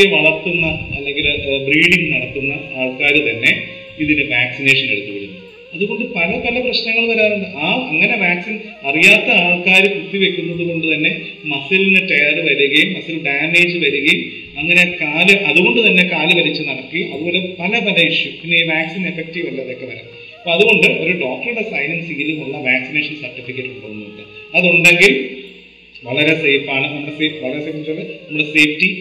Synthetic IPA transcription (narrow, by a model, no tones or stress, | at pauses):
eʋɐɭɐrt̪ːunːɐɐlːeŋɡilbriːɖiŋɡnɐɽɐk̪ːunːɐaːɭkaːɾut̪ɐnːe̞ | iðinɨʋaːksine̞ːʂɐne̞̰ɽut̪ːuʋiɾunːu | ɐðuɣo̞ɳɖɨpɐlɐpɐlɐprɐɕnɐŋːɐɭkɐɾaːnuɳɖɨʔaːɐŋːɐne̞ʋaːksin | ɐrijaːt̪ːɐaːɭkaːɾukut̪ːiʋe̞kʲːunːɐðuɣo̞ɳɖut̪ɐnːe̞ | mɐsilinːɨʈɐjɐɾɨʋɐɾuɣɐjumːɐsɐlɖaːne̞ːd͡ʑɨʋɐɾuɣɐjum | ɐŋːɐne̞kaːlɨʔɐðuɣo̞ɳɖut̪ɐnːe̞kaːlɨʋɐɾit͡ɕːɨnɐɽɐkːɨʔɐðuʋoɾepɐlɐpɐlɐiʂjuiniʋaːksine̞fek̚ʈiʋɐlːɐɐðokːe̞pɐɾɐ̰ː | pːoːɐðuɣo̞ɳɖɨʔo̞ɾuɖo̞ːk̚ʈɐɾuɽe̞sɐjnɐmsiːluɐɭːɐʋaːksineːʂɐnsɐrʈːifikʲːeʈːɨkuɳɽoːɣunːuoɳɖɨɐðuɳɖe̞ŋɡilm | ʋɐɭɐɾe̞seːfaːɳɨnɐmːuɽese̞ːfʋɐɭɐɾeseːfɐɭɐnɐmːuɽese̞ːfʈi